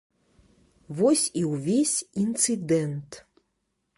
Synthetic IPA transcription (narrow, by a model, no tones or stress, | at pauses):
vɔsʲiwvʲesʲint̪sɨd̪ɛnt̪